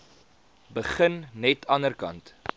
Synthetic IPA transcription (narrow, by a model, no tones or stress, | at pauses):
bəχənːɛtʰɐnərkɐ̰nt